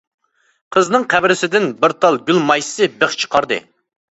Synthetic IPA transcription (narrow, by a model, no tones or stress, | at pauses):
qʰəznɨŋqʰæbɾɪsɪd̪ɪnbɪɾt̪ʰɑlˠɡʲylmɑjssɨbeχt͡ʃʰə̥qʰɑɾd̪ɨ̰